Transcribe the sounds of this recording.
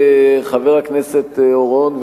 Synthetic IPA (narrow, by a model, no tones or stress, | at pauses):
χaveʁhakneset̪oʁonv